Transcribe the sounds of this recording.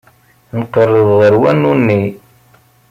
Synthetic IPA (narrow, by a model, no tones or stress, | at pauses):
nəqːərˤːəðˤʁəɾwænːunːi